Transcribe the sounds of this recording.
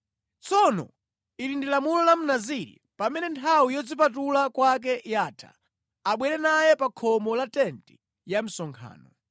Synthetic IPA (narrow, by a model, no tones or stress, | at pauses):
t͡sɔnɔ̰ | iɾindilamulɔlam̩naziɾḭpamɛnɛntʰawijɔd͡zip̬atulakwak̬ɛjaːtʰa̰ | aɓwɛɾɛnajɛpakʰɔmɔlatɛnti̥ | jam̩sɔŋkʰa̰ːnɔ